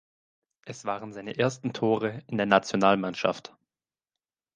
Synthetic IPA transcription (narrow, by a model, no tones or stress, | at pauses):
ʔɛsv̥aːʁənzaɪnəʔeːɐstn̩tʰoːʁ̞əɪndeːɐnat͡sjonaːlmanʃa̰ft